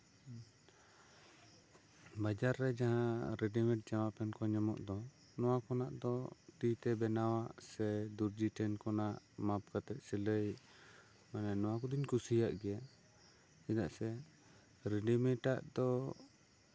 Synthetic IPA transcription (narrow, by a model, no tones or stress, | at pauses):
bad͡ʒaɾːɛd͡ʒaɦãɾɛɖimɛʈ̚d͡ʒamapɛnkɔɲɔmɔ̰ʔd̪ɔ | nɔwakɔnaʔd̪ɔʈit̪ɛbɛnawaʔsɛd̪uɾd͡ʒiʈɛnkɔnaʔmap̚kat̪ɛt̪̚siləj | manɛnɔwakɔd̪iɲkusijaʔɡɛja | sɛd̪aʔsɛ | ɾɛɖimɛʈaʔd̪ɔ